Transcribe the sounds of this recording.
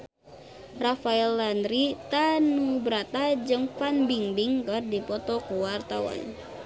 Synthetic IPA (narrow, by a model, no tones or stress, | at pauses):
rafaɛlːandɾit̪anubəɾat̪ad͡ʒɨŋfanbiŋbiŋkərdipɔt̪ɔkuwart̪awa̰n